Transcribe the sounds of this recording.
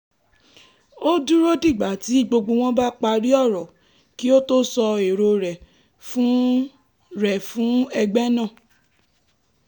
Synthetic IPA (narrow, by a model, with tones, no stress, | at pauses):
o˦du˦ɾo˦di˦˨ɡ͡ba˨˦ti˨˦i˦˨ɡ͡bo˧ɡ͡bo˧w̃ɔ̃˦ba˦k͡pa˧ɾi˦ɔ˦˨ɾɔ˨ | ki˦o˦to˦sɔ˧e˨ɾo˧ɾɛ˨ | fũ˦ | ɾɛ˨fũ˨˦ɛ˧ɡ͡bɛ˦nã˦˨